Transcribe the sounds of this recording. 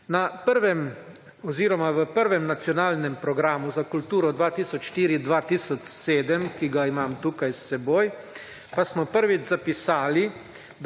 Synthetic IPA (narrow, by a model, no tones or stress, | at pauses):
napəɾʋɛm | ɔziːɾɔmaʋəpəɾʋɛmnat̪sjɔnaːlnɛmpɾɔɡɾaːmuzakult̪uːɾɔd̪ʋaːt̪iːsɔt͡ʃʃt̪iːɾid̪ʋat̪iːsɔt͡ʃseːd̪əmkiɡaimaːmt̪uːkajsːɛboːj | pasmɔpəɾʋid͡ʒzapisaːli | d̪